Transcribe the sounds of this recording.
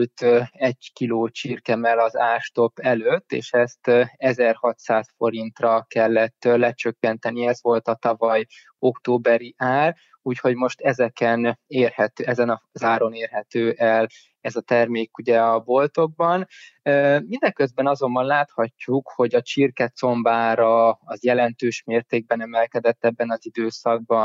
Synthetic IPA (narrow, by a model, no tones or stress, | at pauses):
lt̪ɛɟkiloːt͡ʃirkɛmɛlɒzaːrʃt̪o̞pːɛløt̪ːḛːʃɛst̪ɛzɛrhɒt̪saːsfo̞ɾint̪rɒkɛlːɛt̪ːlɛt͡ʃøkːɛnt̪ɛniɛzʋo̞lt̪ɒt̪ɒvɒj | o̞kt̪oːbɛɾiʔaːr | uːcho̞ɟmo̞ʃt̪ɛzɛkɛneːrhɛt̪øɛzɛnɒzaːɾo̞neːrɦɛt̪øːʔɛl | ɛzɒt̪ɛrmeːkuɟɛɒbo̞lt̪o̞ɡ̚bɒn | ømind̪ɛŋkøzbɛnɒzo̞mbɒnlaːt̪hɒcːukho̞ɟɒt͡ʃirkɛt̪so̞mbaːɾɒːzjɛlɛnt̪øːʃmeːrt̪eːɡ̚bɛnɛmɛlkɛd̪ɛt̪ːɛbːɛnɒzid̪øːsɒɡ̚bɒn